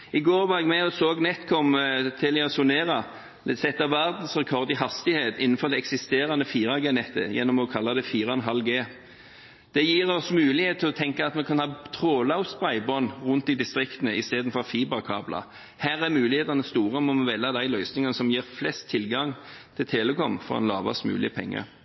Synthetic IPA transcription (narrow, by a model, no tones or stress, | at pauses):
ɪɡoːʁʋɑːɾɛɡmɛɔsoːɡnɛt̪kʰɔmt̪ʰɪlɛɔsʊneːʁɑ | sɛt̪ːɑʋæʁd̪n̩sʁɛkʰɔʁd̪ɪɦɑst̪ɪheːt̪ɪnn̩fɔʁd̪ɛɛksɪst̪eːɾɑnəfiːʁɑɡeːnɛt̪ːə̰jɛ̰nːɔmɔkʰɑlːɑd̪ɛfiːɾɑnɦɑlɡeː | d̪̥ɛjiːʁɔsmʉːlɪheːt̪t̪ʰːɪlɔt̪ʰɛŋkəɑt̪mɛkʰɑnhɑːt̪ʰʁoːlɑʊst̪bʁæɪbɔnʁʊnt̪̚d̪ɪd̪ɪst̪ʁɪkt̪ənəɪst̪eːd̪n̩fɔʁfiːbɑkʰɑ̰ːblɑ̰ | hæːʁæʁmʉːlɪheːt̪ɑnəst̪uːʁəmɔmʋɛlːɑd̪æɪlœʏsnɪŋɑnəsɔmjiːʁflɛst̪ʰːɪlɡɑŋt̪ʰɪlt̪ʰeːləkʰɔmfɔ̰ʁɔ̰nlɑ̰ːʋɑ̰smʉ̰ːlɪəpʰɛ̰ŋːə̰